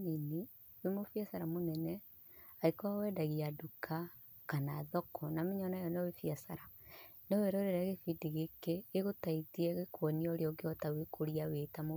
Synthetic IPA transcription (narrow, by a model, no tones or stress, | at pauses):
nini | wemofijasaɾamonɛnɛ | aikɔawɛːdaɣiadukʰa | kanaːðɔkɔnameɲɔnajɔnɔwefiasaɾanɔweɾɔɾeɾaɣefidiɣekeːɣotaitiɛɣekwɔniɔoɾeɔɡeɔtawekʰoɾiawetamo